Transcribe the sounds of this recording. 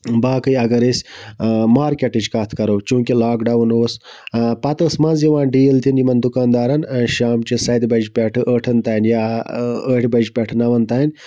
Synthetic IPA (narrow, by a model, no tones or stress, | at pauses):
baːkɨjɐɡɐɾisʲ | maːɾkʲeʈid͡ʒkɐt̪ʰkɐɾoːt͡ʃũːkilaːkɖɐwnoːs | pɐt̪ɐsmɐnziʋãːnɖiːlt̪injimɐnd̪ukaːnd̪aːɾɐnʃaːmt͡ʃisɐjd̪bɐd͡ʒpʲeʈʰɨʔəʈʰɐnt̪aːnjaːəːʈʰbɐd͡ʒpʲeʈʰnɐʋɐnt̪aːinʲ